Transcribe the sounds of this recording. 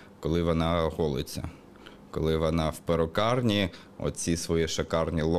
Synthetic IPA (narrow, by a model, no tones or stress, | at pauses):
kɔlˠɪʋɔnɑɦɔlˠɪt͡sʲːɐ̰ | kɔlˠɪʋɔnɑwpeɾɔkɑrnʲi | ɔ̰t̪t͡sʲisʋɔjiʃɐkɑrnʲilˠ